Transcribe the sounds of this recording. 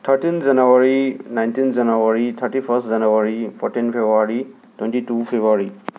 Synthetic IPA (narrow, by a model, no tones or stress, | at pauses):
tʰaɹtinzanuwaɹinajntinzanuwaɹitʰatipʰastzanuwaɹipʰɔtinpʰebuaɹi | twɛ̃ntitupʰebuaɹi